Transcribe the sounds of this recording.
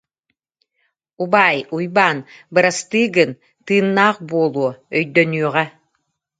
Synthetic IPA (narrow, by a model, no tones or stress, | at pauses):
ubaːjujbaːnbɯɾast̪ɯːɡɯn | t̪ɯːnːaːqbuɔlˠuɔœjd̪œnyːʁɛ